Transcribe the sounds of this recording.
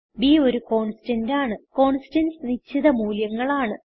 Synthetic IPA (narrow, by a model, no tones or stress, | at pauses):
bio̞ɾuko̞ːɳsi̥ʈɐndaːɳɨko̞ːɳsi̥ʈɐnsnit͡ɕːiðɐmuːljɐŋːɐɭaːɳɨ